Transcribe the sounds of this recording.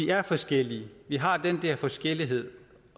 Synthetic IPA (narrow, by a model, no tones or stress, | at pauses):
iæɐfɒ̽sɡ̥el̰iəʋiɦɑ̈d̥end̥ɛɐfɒ̽sɡ̥el̰iɦe̝ð̰ˠ